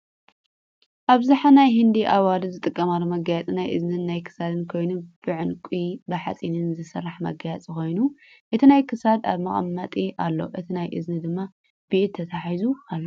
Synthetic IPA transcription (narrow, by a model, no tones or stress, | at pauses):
ʔaβzaħanajhɨnd̪iʔawalɨzɨt̪ʼɨkʼːɐmalːomɐɡajɛt͡sʼnajʔɨ̰znɨnːajkʰɨ̥sad̪ɨnkʰo̞jnub̥ɨʕʊnkʼibɐħa̰t͡sʼinɨnzɨsɨrːaħmɐ̰ɡajat͡sʼiko̞jnuʔɨt̪ʰinajkʰɨsad̪a̰βmɐχʼɐ̰mːɐt̪ʼiʔa̰lːo̞̰ʔɨt̪ʰinajʔɨ̰znɨd̪ɨmːa | biʔt̪ʰːɐt̪ʰaħizukʰalːo